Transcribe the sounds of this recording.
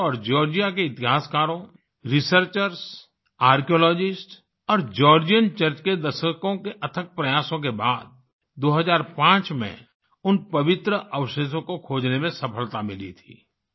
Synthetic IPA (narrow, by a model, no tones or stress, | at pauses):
ɔːɾd͡ʒɔːɾd͡ʒijakeɪt̪ɪɦaːskaːɾõ | ɾɪsəɾt͡ʃəɾs | aːɾkijoːlɔːd͡ʒɪsʈ | ɔːɾd͡ʒɔːɾd͡ʒijənt͡ʃəɾt͡ʃked̪ɐʃəkõkeʔɐt̪ʰək̚pɾɐjaːsõk̬ebaːd̪̚ | d̪oːɦəzaːɾpãːt͡ʃmḛ̃ | ʊnpɐʋɪt̪ɾəʔɐwʃes̬õkokʰoːd͡ʒnemẽsɐpʰəlt̪amɪlḭt̪ʰḭː